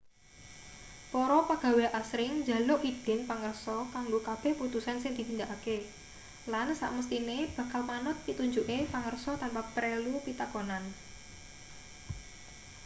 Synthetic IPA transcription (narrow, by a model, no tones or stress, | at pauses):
poɾɔpaɡ̥a̤weʔasɾɪŋd͡ʒa̤loʔʔid̥ɛ̤npaŋərsɔkaŋɡokab̥ɛ̤hput̪usansɪŋd̪̥i̤t̪ind̪aʔake | lansa̰ʔməst̪ineb̥ä̤kalmanʊt̪̚pit̪uɲd͡ʒuʔepaŋərsɔt̪anpapɾelupit̪akonan